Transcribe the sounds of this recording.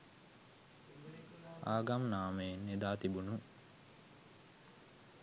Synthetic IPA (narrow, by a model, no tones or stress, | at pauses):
aːɡamnaːməjenːed̪aːt̪ibunu